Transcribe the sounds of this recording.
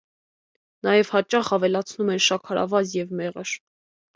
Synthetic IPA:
nɑjɛvhɑt͡ʃɑχɑvɛlɑt͡sʰnumɛnʃɑkʰɑɾɑ̰vɑzjɛvmɛʁəɾ

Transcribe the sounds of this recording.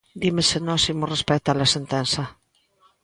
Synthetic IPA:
d̪imesenosimorespɛk̚t̪alasent̪ensa

